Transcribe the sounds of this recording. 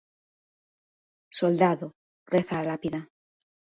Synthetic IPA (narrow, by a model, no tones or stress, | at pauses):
so̞ld̪aðo | re̞θalapiða